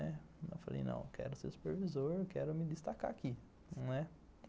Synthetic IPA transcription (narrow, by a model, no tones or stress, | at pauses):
ɛ | nɐ̃falḛjnɐ̰̃w̃kʰɛ̰ɾʊseɾsu̥peɾvizoɾkɛɾʊmɪd̪ɪst̪aka̰ki | nɛ